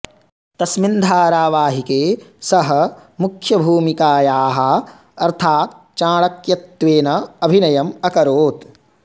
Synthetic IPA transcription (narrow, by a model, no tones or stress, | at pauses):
t̪ɐsmind̪ʱaːɾaːʋaːɦikeːsɐɦɐ̆mukʰjɐbʱuːmikaːjaːɦɐ̆ | ɐɾt̪ʰaːt̪ | t͡ʃaːɭɐkjɐt̪ʋeːnɐɐbʱinɐjɐmɐkɐɾoːt̪